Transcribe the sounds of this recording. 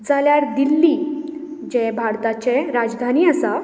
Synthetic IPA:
d͡zaljaɾd̪ilːi | d͡ʑɛbʱaɽt̪at͡ɕɛɾad͡zd̪ʱaniːəsa

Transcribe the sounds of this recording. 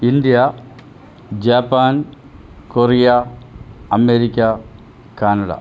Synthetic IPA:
ind̪ija | d͡ʑaːpːaːn | korija | ɐmeɾikʲːa | kaːnɐɽa̰

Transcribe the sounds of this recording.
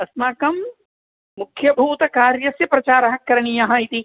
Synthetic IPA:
ɐsmaːkɐmː | ukʰjɐbʱuːt̪ɐkaːɾjɐsjɐpɾɐt͡ʃaːɾɐɦɐkːɐɾɐɳijɐɦɐ̆it̪i

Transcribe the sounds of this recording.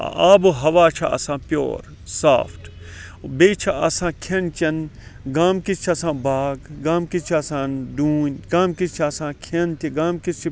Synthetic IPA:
aːbɨɦɐʋaːt͡ʃʰɐɐ̰sãːpʲjo̰ːɾ | sa̰ːpʰʈbeːt͡ʃʰɐɐsãːkʰent͡ʃɐnɡaːmkist͡ʃʰɐsãːbaːɡɡaːmkist͡ʃʰiɐsãːɖuːnʲɡaːmkist͡ʃʰiɐsãːkʰent̪iɡaːmkist͡ʃʰi

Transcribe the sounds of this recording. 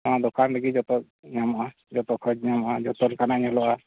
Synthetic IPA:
ad̪ɔkʰand̪aɡid͡ʒɔt̪ɔk̚ | ɲamɔʔa | d͡ʒɔt̪ɔkʰɔd͡ʒɲamɔʔad͡ʒɔt̪ɔlkanaɲɔlɔʔa

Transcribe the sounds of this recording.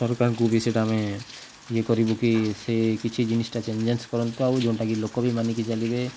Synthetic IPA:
sɔɾkaɾkubʱiseʈaame | iekɔɾibokisekit͡ʃʰid͡ʒinisʈat͡ʃeɲd͡ʒenskɔɾɔnt̪oawd͡ʒeɳʈakilokːobʱimanikit͡ʃalibe

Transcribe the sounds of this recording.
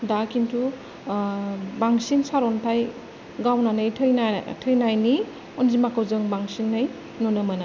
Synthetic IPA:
dakintʰu | baŋsinsaɾɔntʰaj | ɡawnanɯjtʰɯjnatʰɯjnajni | ɔnzimakʰawzɯŋbaŋsinːaj | nɔnəmana

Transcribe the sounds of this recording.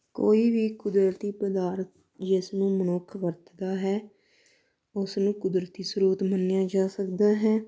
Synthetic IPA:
koːiːʋiːkʊd̪ɾət̪iːpəd̪aːɾt̪̚ | d͡ʒɪsnũːmənʊkʰʋəɾt̪d̪aːɦɛː | ʊsnũːkʊd̪ɾət̪iːsəɾuːt̪mənjaːd͡ʒaːsəkd̪aːɦɛː

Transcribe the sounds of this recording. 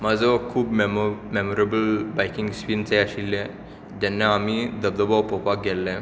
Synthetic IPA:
mad͡zɔkʰuːbmmemoɾebəlbajkiŋɡsʋint͡seaɕilːẽ | d͡ʑ̪ɛnːaamid̪əbd̪əbɔwpɔpak̚ɡʱɛlːɛ̃

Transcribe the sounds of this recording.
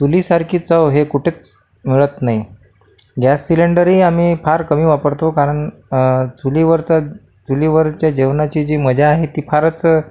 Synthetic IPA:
t͡sulisaɾkʰiːt͡səʋɦekuʈʰeːt͡s | miɭət̪nai | ɡasːileɳɖəɾiːamiːpʰaɾkəmiːʋapəɾt̪okaɾəɳ | t͡suliʋəɾt͡sa | t͡suliʋəɾt͡ɕjad͡ʑeʋnat͡ɕiːd͡ʑiːməd͡ʑaːɦet̪iːpʰaɾət͡s

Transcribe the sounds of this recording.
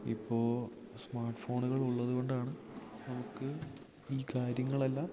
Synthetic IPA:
ḭpːo̞ːsmaːrʈfo̞ːɳuɣɐɭuɭːɐðuɣo̞ɳɖaːɳɨnɐmukːɨ | iːkaːɾjɐŋːɐɭe̞lːaːm

